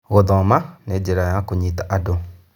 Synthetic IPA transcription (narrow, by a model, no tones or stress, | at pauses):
ɣoðɔmaned͡ʒeɾajakoɲitaʔado